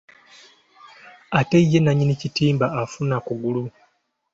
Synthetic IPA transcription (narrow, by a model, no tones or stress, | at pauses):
ate̞ijːe̞naɲinicitiːmbaːfunakuɡulu